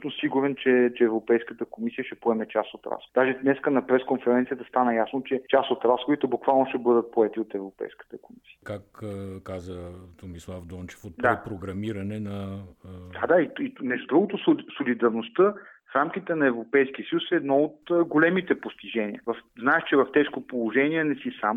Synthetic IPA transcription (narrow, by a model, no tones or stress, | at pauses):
t̪nosiɡuɾɛnt͡ʃɛt͡ʃɛːvɾopɛjskət̪əkomisiəʃɛpoɛmɛt͡ʃa̰sot̪ɾa̰sxd̪aʒɛnɛskənɐpɾɛskonfɛɾɛnt̪sijət̪əst̪anəjasnot͡ʃɛt͡ʃasot̪ɾasxod̪it̪ɛbukvalˠnoʃt̪ɛbɤd̪ət̪̚poɛt̪iot̪ɛvɾopɛ̰jskə̥t̪əkomisi̥ə̥kakkazət̪omislˠavd̪ɔnt͡ʃɛ̥fot̪dd̪apɾoɡɾɐmiɾɐnɛnɐ | d̪ad̪aiinɛʒd̪ɾuɡot̪ossolid̪ɐɾnost̪ɤfɾamk̟it̪ɛnɐɛvɾopɛjsk̟iəsəjusɛːd̪nɔot̪ɡolɛmit̪ɛpost̪iʒɛniə̰vɐfznaɛʃt͡ʃɛvɐft̪ɛʃkopolˠoʒɛniɛnɛsisam